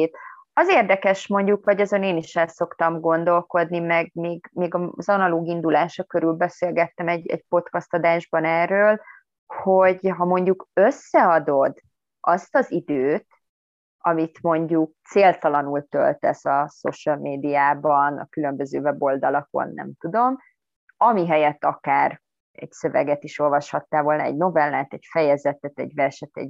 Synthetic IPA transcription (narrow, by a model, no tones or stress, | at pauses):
t̪ | ɒzeːrd̪ɛkɛʃmo̞ɲɟukvɒɟɒzo̞neːniʃɛlso̞kt̪ɒmɡo̞n̪d̪o̞lko̞d̪nimɛɡ̚meːɡmeːɡɒzɒnɒloːɡind̪ulaːʃɒkøɾylbɛseːlɡɛt̪ːɛmɛɟɛ̰ɟpo̞t̪kɒst̪ɒd̪aːʒbɒnɛrːøːl | ho̞ɟɦɒmo̞ɲɟukøsːɛɒd̪o̞d̪ | ʔɒst̪ɒzid̪øːt̪ | ɒmit̪mo̞ɲɟuk̚t̪seːlt̪ɒlɒnult̪ø̰lt̪ɛ̰sɒso̞̰ʃəlmeːd̪ijaːbɒnɒ̰kylømbøzøːvɛbo̞ld̪ɒlɒko̰nːɛ̰mt̪ud̪o̞m | ɒmiɦɛjɛt̪ːɒkaːr | ɛ̰ɟsø̞vɛ̰ɡɛt̪iʃo̞lvɒʃhɒt̪ːaːvo̞ːlnɒɛ̰ɟno̞vɛlːaːt̪ɛcfɛjɛzɛt̪ɛt̪ɛ̰ɟvɛrʃɛt̪ɛ̰ɟ